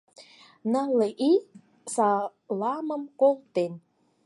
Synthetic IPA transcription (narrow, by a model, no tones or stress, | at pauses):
nɑleʔi | sɑlɑməmkolˠt̪en